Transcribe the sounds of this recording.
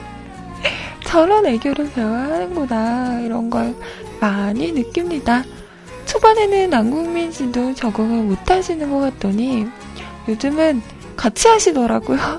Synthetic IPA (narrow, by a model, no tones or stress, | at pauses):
t͡ɕʰʌɾʌne̞ɡjoɾɯɭpʰewaɦanɯnɡodaiɾʌnɡʌɭ | maɲinɯk͈imɲida | t͡ɕʰobane̞nɯnːamɡuŋmind͡ʑidot͡ɕʌɡɯmɯɭmotʰaɕʰinɯnɡʌk͈at̚t͈ʌɲi | jod͡ʑɯmɯn | kat͡ɕʰiɦaɕʰidʌɾaɡojo